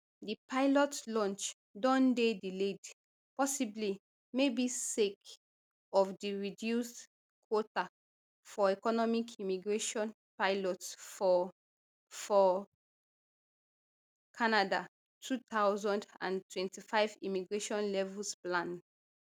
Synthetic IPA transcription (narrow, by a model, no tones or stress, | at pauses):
dipaɪlɔtlɔ̃nt͡ʃ | dɔ̃ndediled | pɔsibli | mebisek | ɔfdiɹidjusd | kʰwɔta | fɔɛkɔnɔmikʰimiɡɹeʃɔ̃n | paɪlɔtsɔ | fɔ | kʰanada | tʰut̪awzɔ̃ndã̰ntwɛ̃ntifaɪvḭmiɡɹeʃɔ̃nlɛvulsplãn